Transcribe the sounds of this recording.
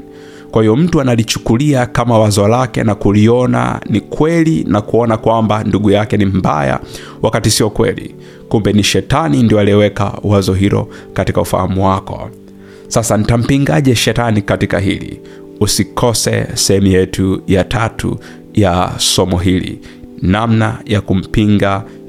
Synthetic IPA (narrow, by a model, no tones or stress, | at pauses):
kwahijɔm̩tuanalit͡ʃu̥kuliakamawazɔlakɛ̰nakuliɔna̰nikwɛlinakuɔnakwambanduɠujakɛnim̩ba̰ja̰ | wʔakatisiɔkwɛ̰lḭ | kumbɛniʃɛtanindiɔalɛwɛka̰wazɔɦilɔ̰ | katikaufa̰hamuwakɔ̰ | sasanitam̩piŋɡaʄɛʃɛtanikatikaɦḭlḭ | usikʰɔsɛ̰sɛhɛmujɛtujatʰatʰṵ | jasɔmɔɦilḭ | namnajakum̩piŋɡa